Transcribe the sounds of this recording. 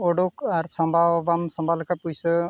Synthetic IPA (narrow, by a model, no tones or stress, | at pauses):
ɔɖukaɾsɔmbʱawbamsɔmbʱalkapujsɯ